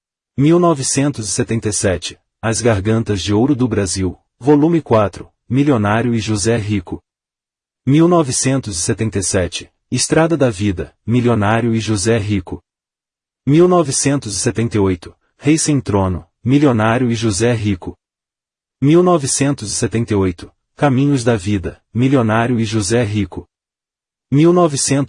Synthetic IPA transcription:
miwnɔvɪsẽnt̪ʊzɪset̪ẽnt̪ejsɛt͡ʃɪ̥ | ɐzɡaɾɡɐ̃nt̪ɐzd͡ʒɪowɾʊd̪ʊbɾaziw | volũmɪkwat̪ɾʊ | milionaɾjʊɪʒuzɛɦikʊ | miwnɔvɪsẽnt̪ʊzɪset̪ẽnt̪ejsɛt͡ʃɪ | ɪst̪ɾad̪ɐd̪ɐvid̪ɐmilionaɾjʊɪʒuzɛɦikʊ | miwnɔvɪsẽnt̪ʊzɪset̪ẽnt̪eojt̪ʊ̥ | hejsẽnt̪ɾõnʊ | milionaɾjʊɪʒuzɛɦikʊ | miwnvɪsẽnt̪ʊzɪset̪ẽnt̪ejojt̪ʊ̥ | kamĩɲʊzd̪ɐvid̪ɐ | milionaɾjʊɪʒuzɛɦikʊ | miwnɔvɪsẽnt̪

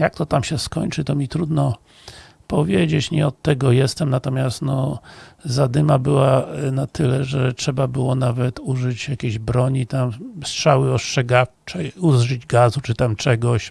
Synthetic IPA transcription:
jak̚t̪ɔt̪amɕɛskɔɲt͡ʂɘt̪ɔmʲit̪ɾud̪nɔ | pɔvʲjed͡ʑet͡ɕɲɛɔt̪ːɛɡɔjɛst̪ɛmnat̪ɔmʲjast̪nɔ | zad̪ɘmabɘwanat̪ɘlɛʐɛtʂɛbabɘwɔnavɛt̪uʐɘt͡ɕjakʲeʑbɾɔɲit̪amstʂawɘɔstʂɛɡaft͡ʂɛuzʐɘd͡ʑɡazut͡ʂɘt̪amt͡ʂɛɡɔɕ

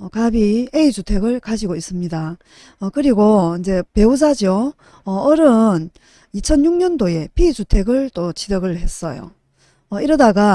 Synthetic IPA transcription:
ʌkabieid͡ʑutʰe̞ɡɯɭkad͡ʑiɡois͈ɯmɲida | ʌkɯɾiɡoind͡ʑe̞pe̞us̬ʰad͡ʑo | ʌːɾɯn | it͡ɕʰʌnjuŋ̚ɲʌndoe̞pid͡ʑutʰe̞ɡɯɭt͈ot͡ɕidʌɡɯɭhe̞s͈ʌjo̰ | ʌiɾʌdaɡa

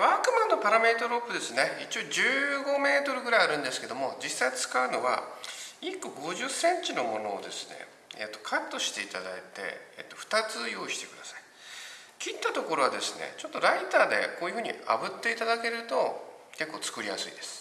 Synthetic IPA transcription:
βaːkɯ̟mãnːo̞paɾame̞ːt̪oɾo̞pːɯ̟d̪e̞sɨne̞it͡ɕioːd͡ʑɨːɡo̞me̞ːt̪o̞ɾɯ̟ɡɯ̟ɾajaɾɯ̟̃nd̪e̞sɨ̥ke̞d̪o̞mo̞d͡ʑisːait͡sɨ̥kaɯ̟no̞βa̰ikːo̞ɡo̞ʑɨsːẽ̞ɲt͡ɕino̞mo̞no̞ːd̪e̞sɨne̞̰ | ḛt̪ːo̞kʰat̪ːo̞ɕi̥t̪e̞it̪ad̪a̰it̪e̞̰ḛt̪ːoɸɯ̟̥t̪at͡sɨjo̞ːiɕi̥t̪e̞kɯ̟d̪asḁi̥ | kʲit̪ːat̪o̞ko̞ɾo̞βad̪e̞sɨne̞̰t͡ɕo̞t̪ːo̞ɾait̪aːd̪e̞̰koːjɯ̟ɸɯ̟ːɲ̟ḭa̰bɯ̟t̪ːe̞it̪ad̪ake̞ɾɯ̟t̪o̞ | ke̞kːo̞ːt͡sɨ̥kɯ̟ɾʲijasɨ̰id̪̥e̞sɨ̥

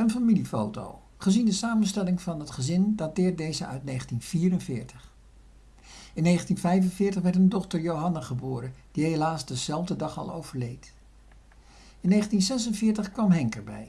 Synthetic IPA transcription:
ənfamilifo̰wto̰w | χəzindəsaːmənstɛlɪŋvɑnɦətχəzɪndatɪːɹt̚dejzəœ̰ɥtnejχəntinv̥iːrənvɪːɹtəχ | ɪnːejχəntinvɛjvənvɪːɹtəχʋɛɹtəndɔχtəɹjowɦɑnaχəbʊːɾənd̥iɦejlaːzdəzɛlˠvdədɑχɑ̰lˠo̰wv̥əɹlejt | ɪnːejχəntinzɛsənvɪːɹtəχkʋɑmɦɛŋkəɹbɛ̰j

